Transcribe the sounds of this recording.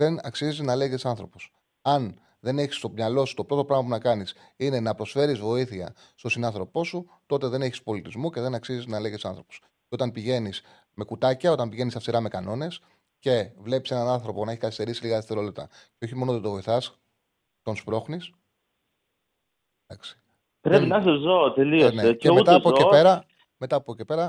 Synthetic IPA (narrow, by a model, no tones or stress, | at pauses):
ðe̞nɐksiziznɐle̞ɣet̪isɐnθɾo̞po̞s | ɐn | ðe̞ne̞çi̥st̪o̞pɲɐlo̞si̥t̪o̞pɾo̞t̪o̞pɾɐɣmɐp̬unɐkɐnis | ine̞nɐpɾo̞sfe̞ɾizvo̞iθiɐ̰ | st̪o̞sinɐnθɾo̞po̞su | t̪o̞t̪e̞ðe̞ne̞çi̥spo̞lit̪izmuce̞ðe̞nɐksiziznɐleɣt̪sɐnθɾo̞po̥s | ceo̞t̪ɐnpiʝe̞nis | me̞kut̪ɐcɐo̞t̪ɐmpiʝe̞nisɐfsiɾɐme̞kɐno̞ne̞s | ce̞vle̞pi̥se̞nɐnɐnθɾo̞ponɐeçi̥kɐθist̪e̞ɾisiliɣɐðeseɾo̞lt̪it̪ɐ̰ceo̞çimo̞not̪et̪ovo̞iθɐs | t̪onspɾo̞xnis | ɐksi̥ | pɾepinɐsɐzot̪eliosneeceumet̪ɐpoeeɾɐ | met̪ɐːpocepe̞ɾɐ